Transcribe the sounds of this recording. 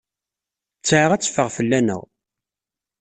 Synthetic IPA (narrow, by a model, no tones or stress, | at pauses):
t͡sːʕəʁæt͡sːə̥fəʁfəlːænə̰ʁ